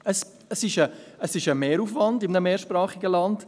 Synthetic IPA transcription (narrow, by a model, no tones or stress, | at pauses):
əs | əsɪʃəəsɪʃəmeːɾufvɑndɪmnəmeːɾʃpɾɑːχɪɡəlɑnd̥